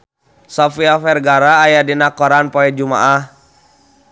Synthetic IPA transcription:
sɔfiafɛrɡaɾaːjadinakɔɾanpɔɛd͡ʒuma̰ʔah

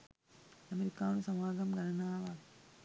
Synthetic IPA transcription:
ɐmeɾikːaːnusɐmaːɡɐmɡɐnɐnaːʋa

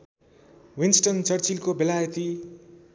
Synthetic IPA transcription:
winsʈʌnt͡sʌrt͡silkobelajʌt̪i

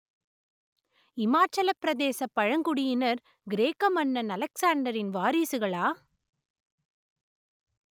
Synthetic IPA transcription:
ɪmaːt͡ʃɐlɐpːɪɾɐðeːsɐpːɐɻɐŋɡʊɽɪjɪnɐɾ | ɡɪɾeːkɐmɐnːɐnɐlɐksaːɳɖɐɾɪnʋaːɾiːsɯɣɐɭaː

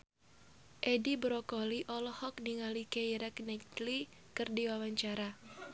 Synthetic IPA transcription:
ʔedibɾɔkɔliʔɔlɔhɔk̚niŋalikeiɾɛknɛtli | kɨrdiwawaɲt͡ʃaɾa

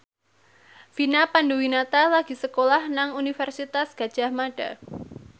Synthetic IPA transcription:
finapanduwinat̪alaɡ̥isəkolahnaŋunifɛrsit̪asɡ̥ad̥ʒ̥ahmaɖ̥a̰

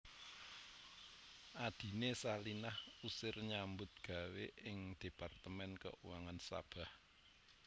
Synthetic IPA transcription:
ʔad̪̥i̤nesalinahusɪrɲambʊt̪̚ɡ̥ä̤weʔɪŋd̪̥e̤part̪əmɛnkə̰uwaŋansa̰b̥a̤h

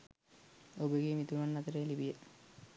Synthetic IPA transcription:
obəɡeːmit̪umanːat̪əɾejlibijə

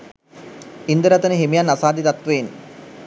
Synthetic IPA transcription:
ind̪əɾat̪ənəɦimijanasaːd̪it̪at̪ʋen

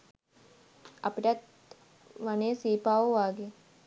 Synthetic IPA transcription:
a̰piʈɐt̪̚ | ʋaneːsiːpaːʋəʋaːɡe

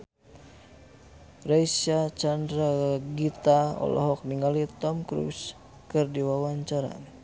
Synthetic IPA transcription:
rajsat͡ʃandɾaɡit̪aɔ̰lɔ̰ɦɔk̚niŋalit̪ɔmkɾṵs | kɨrdiwawaɲt͡ʃaɾa̰n

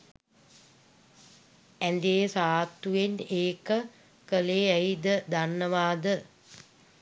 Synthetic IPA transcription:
ænd̪eːsaːt̪ːujeneːkə | kəleːəjd̪əd̪anːəʋaːd̪ə

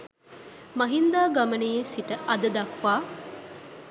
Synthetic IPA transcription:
mɐɦind̪aːɡɐmɐnejesiʈəʔɐd̪ɐd̪ɐkʋaː

